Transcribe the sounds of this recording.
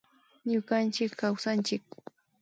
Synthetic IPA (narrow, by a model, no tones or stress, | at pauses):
ɲʊkant͡ʃɪkːawsant͡ʃɪk̚